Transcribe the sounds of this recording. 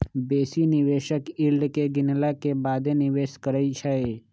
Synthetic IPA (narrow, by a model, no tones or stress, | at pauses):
beːsinɪʋeːʃəkɪlɖkeɡɪnlakebaːd̪enɪʋeːʃkəɾəit͡ʃʰəe